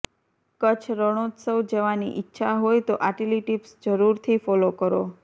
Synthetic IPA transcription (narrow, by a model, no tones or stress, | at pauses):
kət͡ʃʰɾəɽ̃ot̪səwd͡ʒeʋanḭʔɪtːʃʰaɦojt̪oʔaʈeliʈipsd͡ʒəɾuɾt̪ʰifɔlokəɾo